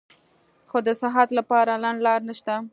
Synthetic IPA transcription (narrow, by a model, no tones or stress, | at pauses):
xod̪əsɪɦat̪lapɑɾalanlɑɾnaʃt̪a